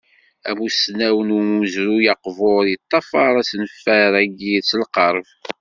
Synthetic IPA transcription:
æ̰musnæwənumuəzɾujɑqvoɾjət̪ˤːɑfɑɾˤæsnəfːæɾæɡit͡sːəlqəɾˤv

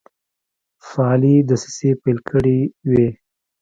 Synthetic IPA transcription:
faːlid̪əsi̥sepajlkʰəɽiwe

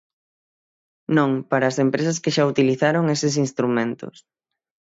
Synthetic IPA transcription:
nõŋpaɾɐːsempɾesɐskeʃaut̪iliθaɾoŋesɪs̬inst̪ɾumẽnt̪ʊ̰s

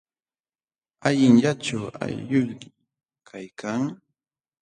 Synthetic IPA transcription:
aʎɪŋʎaʈ͡ʂawa̰jʎʊjɾɪ | kʰajkʰaŋ

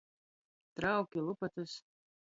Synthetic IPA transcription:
t̪ɾawkʲilˠupɐt̪ɨs

